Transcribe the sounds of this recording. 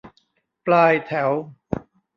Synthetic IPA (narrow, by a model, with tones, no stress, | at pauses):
plaː˧jt̪ʰɛ˩˦w